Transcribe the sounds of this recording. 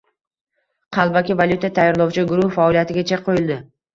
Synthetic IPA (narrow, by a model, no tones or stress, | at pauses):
qʰɑlˠbakʲɪvaljut̪ʰat̪ʰajɒɾlˠɒwt͡ʃʰɪɡʊɾʊhfaɔlijat̪ɪɡʲat͡ʃʰaqʰːojɪlˠd̪ɪ